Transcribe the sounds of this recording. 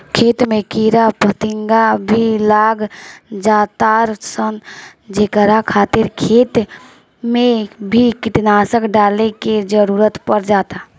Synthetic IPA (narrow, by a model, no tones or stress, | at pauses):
kʰeːt̪mekiɾapət̪iŋɡabʱilaːɡd͡ʒaːt̪aɾsənd͡ʒeːkəɾakʰaːt̪ɪɾkʰeːt̪ | mẽbʱikiʈ̪nasəkɖaːleked͡ʒəɾuɾət̪pəɾd͡ʒaːt̪a